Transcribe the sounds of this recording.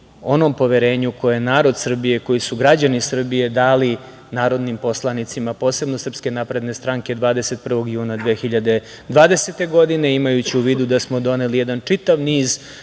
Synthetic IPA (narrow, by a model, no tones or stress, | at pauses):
o̞no̞mpo̞ʋeɾe̞ːɲukojejenaːɾo̞d̪sr̩bijeko̞jisuɡɾad͡ʑanisr̩bije̞d̪aːli | naːɾo̞d̪nimpo̞slˠanit̪simapo̞ːse̞bno̞sr̩pske̞napɾe̞d̪ne̞st̪ɾaŋke̞d̪ʋaːd̪e̞se̞t̪̚pr̩ʋo̞ɡjuːnad̪ʋeːxiʎad̪e̞ | d̪ʋaːd̪eset̪e̞ɡo̞d̪ine̞imajut͡ɕiuʋiːd̪ud̪asmo̞d̪o̞ne̞lijed̪ant͡ʂit̪aʋniːz